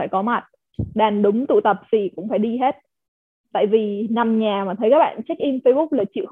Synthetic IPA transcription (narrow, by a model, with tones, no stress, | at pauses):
aː˧˩jkɔ˨˦ma˨˩t̚ | ɗaː˨˩nɗʊ˨˦ŋ͡mt̪ṵ˧˨t̪ə˨˩p̚vi˨˩kʊ̰˧˥ŋ͡mfaː˧˩jɗi˧ɦe˦˥t̚ | t̪a̰ː˧˨jvi˨˩na˨˩mɲaː˨˩maː˨˩t̪ʰə˨˦jkaː˦˥k̚ɓa̰ː˧˨nt͡ɕa˦˥k̚ʔi˧mfə˧jɓʊ˦˥k͡p̚laː˨˩t͡ɕḭ˧˨w